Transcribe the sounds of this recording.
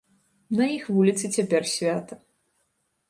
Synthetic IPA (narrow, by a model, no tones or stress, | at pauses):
nɐjixvulʲit̪sɨt͡sʲapʲɛrsʲvʲat̪ɐ